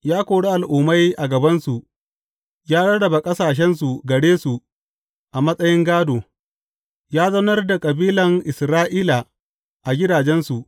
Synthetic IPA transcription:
jaː˦kʷoː˨ɽe˦ʔa˨lʔʊː˨ma˦jʔa˨ɡɐ˨bɐ˦nsu˨ʔ | jaː˦ɽɐ˦ɽɐ˨ba˨kʼɐ˦saː˨ʃ̬ɛ˦ns̬u˨ɡɐ˨ɽeː˦su˨ | ʔa˨mɐ˦sʼɐ˦jɪ˦ŋɡaː˦doː˨ | jaː˦zɐ˦nɐ˦rda˨kʼɐ˨biː˦lɐ˨ŋʔɪ˨sɾaː˦ʔiː˦la˨ | ʔa˨ɡʲɪ˦daː˨d͡ʒɛ˦nsu˨ʔ

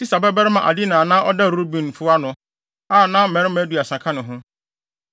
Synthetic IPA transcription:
ti˦sa˨bɛ˦bɛ˦ɾɪ˦mã˨ʔa̰˨dɪ˦nã˨nãː˦ʔɔ˦da˦˨ɾu˦bĩ˨n˨fʊ˦a˦nʊ̃˨ | aː˦˨nã˦m̩˦mɛ̃˨ɾɪ˦mæ˦du˨a˨sã˨kʰã˦nɪ̃˨ɦʊ̃˦

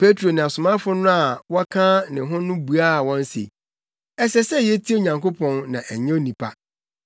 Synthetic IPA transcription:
pʰe˦tʰɾo˨nɪ̃˨a˨sʊ˨mã˦fʊ˦nʊ̃˦a˨wɔ˦kʰãː˦nɪ̃˨ɦʊ̃˦nʊ̃˦bu˨a˦˨wɔ̃˦n˦sḛ˨ | ɛ˦sɛ˦sɛ˦jɛ˦tʰi˦o˨ɲã˨ŋko˦pʰɔ̃˦nːã̰˨ʔæ˨ɲɛ̃˦o˦nĩ˨pʰa˦

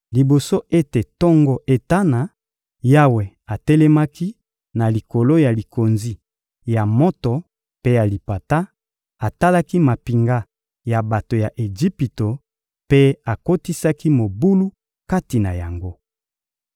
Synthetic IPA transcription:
li˨bo˨so˦e˦te˨tɔ˦ŋɡɔ˦ʔe˨ta˦na˨ | ja˦we˨ | a˨tɛ˦lɛ˦ma˦ki˦ | na˨li˨ko˨lo˦ja˨li˨ko˨nzi˦ | ja˨mɔ˦tɔ˨ | pe˦ja˨li˨pa˨ta˦ | a˨ta˦la˦ki˦ma˨pi˨ŋɡa˦ | ja˨ba˨to˨ja˨ʔe˨d͡ʒi˦pi˨to˨ | pe˦a˨ko˦ti˦sa˦ki˦mo˨bu˦lu˦ | ka˦ti˨na˨ja˨ŋɡo˦

